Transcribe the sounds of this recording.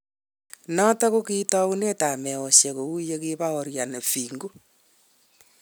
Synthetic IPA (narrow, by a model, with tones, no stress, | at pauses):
nɔ˦ta˦ko˦ki˦tɔ˦u˦ne˦ta˨me˨o˨sje˨ko˨u˦je˦ki˦βa˦o˨ɾja˨ne˨fiː˨ŋɡu˦